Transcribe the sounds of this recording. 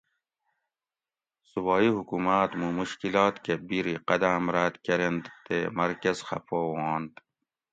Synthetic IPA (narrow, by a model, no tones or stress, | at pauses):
subɑːihukumaːt̪mumuʃkilɑːt̪kebiɾiqɐd̪amɾaːt̪kɐɾend̪t̪emɐɾkɐzxɐ̰poːwɑːnd̪